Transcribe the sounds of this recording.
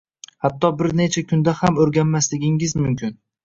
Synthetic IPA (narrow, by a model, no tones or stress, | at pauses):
hat̪ʰːɒbɪɾne̞t͡ʃʰakʲʰʊnd̪ahamɵɾɡʲanmaslɪɡʲɪŋɪzmʊmkʲɪn